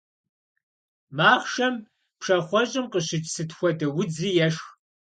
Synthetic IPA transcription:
maːχʃɐm | pʂɐχʷɔɕʼɪmqəɕɪt͡ʃʼsɨtxʷɔdɐwʊd͡ziːjɛʂx

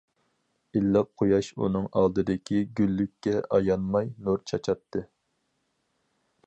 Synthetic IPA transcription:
ilːɑp̚qʰojɑʃṵnɨŋɑ̰lˠd̪ɨd̪ɪkʲʰiɡʲylːykʲːɛʔɑjɑnmɑjnuɾt͡ʃʰɑt͡ʃʰɑt̪ʰːɨ

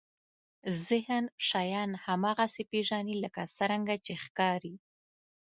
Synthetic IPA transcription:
zɪhənʃajɑnhamɑɣasepeʒɑniləkasəɾaŋɡat͡ʃexkɑɾi

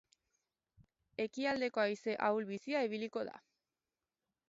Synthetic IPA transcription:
e̞kiald̪e̞ko̞ajse̞ʔawlβisiaiβ̞iliko̞ða̰

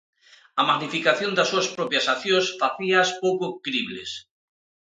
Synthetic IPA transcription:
amaɣnifikaθjond̪asːuaspɾɔpjasaθjõsfaθiaspowkokɾiβlḛs

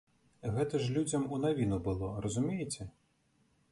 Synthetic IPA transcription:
ɣɛt̪ɨʐlʲud͡zʲɐmunaʋʲinʊbɨlˠɔrɔzʊmʲijɪt͡sʲɛ

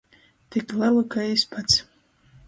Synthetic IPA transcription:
t̪iklɛlɨkaispʰat̪s

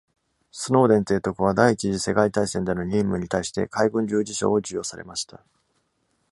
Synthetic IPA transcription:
sɨno̞ːd̪ẽ̞nt̪e̞ːt̪o̞kɯ̟β̞ad̪aiːt͡ɕiʑise̞kait̪aisẽ̞nd̪enoɲʲĩːmːɯ̟ɲ̟it̪aiɕi̥t̪e̞̰kaiɡɯ̟̃ɲd͡ʑɨːd͡ʑiɕo̞̰ːod͡ʑɨjo̞ːsaɾe̞̰maɕi̥t̪a

